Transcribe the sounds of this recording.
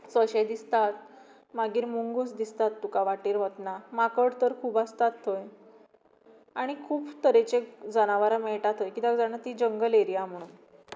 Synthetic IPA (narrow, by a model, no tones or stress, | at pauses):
səɕed̪ist̪at̪̚ | maɡiːɾmuŋɡusd̪ist̪at̪ːukaʋaʈiːɾɦət̪namakəɽt̪əɾkʰuːbast̪at̪ʰːoj | aɽ̃ikʰuːbt̪əɾet͡ɕed͡zañaʋaɾamɛɭʈat̪ʰojkit̪akd͡zaɽ̃at̪id͡ʑəŋɡəleɾijam̤əɽ̃uːn